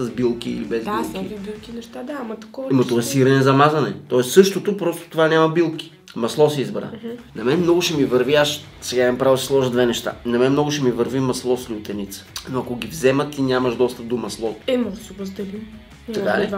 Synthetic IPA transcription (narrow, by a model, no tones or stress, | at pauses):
səzbilˠkḭːlibɛzbilˠibilˠkinɛʃt̪ad̪amt̪ɐkɔmot̪oɔɛsiɾənɛzɐmazɐnɛt̪ɔɛst̪sɤʃt̪ot̪opɾɔst̪o̥t̪ovanʲamɐbilˠki̥ | mɐslˠɔsɛizbɾa̰nɐmɛnmnɔɡʊʃɛmivɐɾviaʃ | sɛɡampɾavəd̪sɛslˠɔʒəd̪vɛnɛʃt̪a̰nɐmɛnmnɔɡʊʃɛmivəɾvimɐslˠɔslʲɪʊt̪ɛnit̪sə̥noɐkoɡʲivzɛmət̪ːinʲamɐʃd̪ɔst̪əp̚d̪omɐslˠɔt̪ɛmsuvɐzd̪ɛlim | ɐka